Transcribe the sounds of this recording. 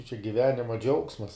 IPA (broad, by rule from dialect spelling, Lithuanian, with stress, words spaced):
t͡ʃʲɛ ɡʲɪˈʋʲæːnʲɪmɐ ˈd͡ʒʲɛʊksmɐs